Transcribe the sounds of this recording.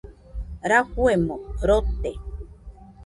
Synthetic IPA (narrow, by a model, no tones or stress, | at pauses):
ɾahwemõɾot̪e